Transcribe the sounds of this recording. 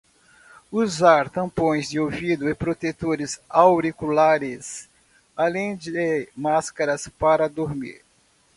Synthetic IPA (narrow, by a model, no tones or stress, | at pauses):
uzaɾt̪ɐ̃põj̃zd͡ʒɪovid̪ʊɪpɾot̪et̪oɾɪzawɾikulaɾɪs | alẽj̃d͡ʒɪmaskɐɾɐspaɾɐd̪oɾmḭɾ